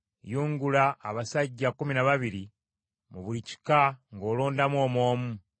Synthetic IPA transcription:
juːŋɡulaʔːβasaɟːakuminaβaβiɾi | muβulici̥kaŋɡo̞ːlo̞ːndamwo̞ːmo̞ːmu

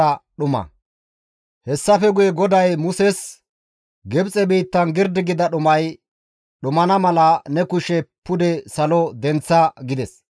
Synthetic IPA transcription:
ɐɗʊmɐ̰ | hɛsːɐfɛɡʊjɛɡɔd̪ɐjmʊsɛs | ɡɛbt͡sʼɛbiːt̪ːɐnɡɪɾd̪ɪɡɪd̪ɐɗʊmɐj | ɗʊmɐnɐmɐlɐnɛkʊʃɛpːʊd̪ɛsɐlɔd̪ɛnt͡sːɐɡɪd̪ɛs

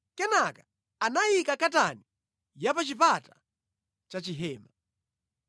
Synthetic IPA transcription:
kɛnakḁ | anajikakatani | japat͡ʃipata | t͡ʃat͡ʃiɦɛːma

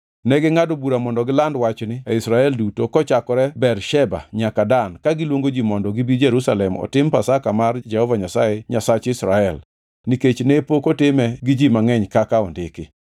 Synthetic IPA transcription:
nɛɡɪŋadobuɾamɔndɔɡɪlandwat͡ʃnɪaisɾaɛldutokɔt͡ʃakɔɾɛbɛrʃɛba̰ɲakadankaɡɪlwoŋɡod͡ʒimɔndɔɡibid͡ʒeɾusalɛmɔ̰tɪmpasakamard͡ʒɛhɔvaɲasajɛɲasat͡ʃɪsɾaɛl | niket͡ʃnepokotɪmɛɡɪd͡ʒimaŋɛɲkakaɔndɪkɪ̰

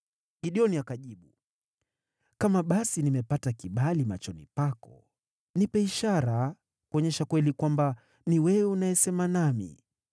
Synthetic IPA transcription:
ɡiɗiɔniakaʄiɓu | kamaɓasinimɛpatakiɓalimat͡ʃɔnḭpakɔ̰ | nipɛiʃaɾa | kuɔɲɛʃakwɛlikwamba | niwɛwɛunajɛsɛmanamḭ

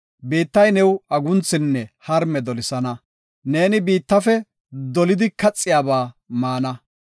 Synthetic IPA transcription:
biːt̪ːɐjnɛwɐɡʊnt͡sːɪnːɛhɐɾmɛd̪ɔlɪsɐnɐ | ne̞ːnɪbiːt̪ːɐfɛ | d̪ɔlɪd̪ɪkɐt͡sʼːɪjaːbaːmaːnɐ

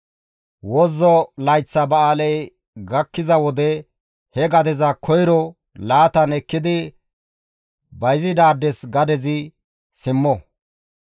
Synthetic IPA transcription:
wɔzːɔlɐjt͡sːɐbɐaːlɛj | ɡɐkːɪzɐwɔd̪ɛ | hɛɡɐd̪ɛzɐkʰɔjɾɔ | laːt̪ɐnɛkːɪd̪ɪ | bɐjzɪd̪aːd̪ːɛsɡɐd̪ɛzɪ | sɪmːɔ

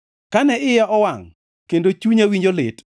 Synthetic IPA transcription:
kanɛɪjaʔɔwaŋ | kendot͡ʃuɲawiɲd͡ʒolɪt

